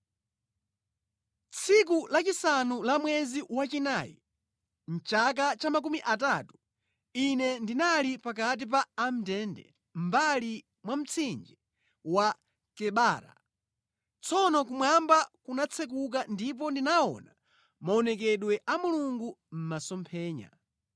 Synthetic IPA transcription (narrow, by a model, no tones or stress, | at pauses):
t͡sʰik̬ulat͡ʃisanulamwɛziwat͡ʃinaːjḭ | n̩t͡ʃak̬at͡ʃamakumiʔat̬atu̥ | inɛndinalipak̬at̬ip̬aːm̩tɛndɛ̰ | m̩bali | mwam̩t͡sʰind͡ʒi | wa | kɛɓaːɾa̰ | t͡sʰɔnɔk̬umwambakunat͡sʰɛk̬uk̬andip̬ɔndinaɔ̰na | maɔnɛkɛɗwɛʔamuluŋɡum̩masɔmpʰɛːɲa̰